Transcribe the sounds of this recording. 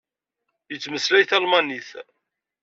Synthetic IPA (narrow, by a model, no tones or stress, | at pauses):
jət͡sːməslæjθɑlmɑniθ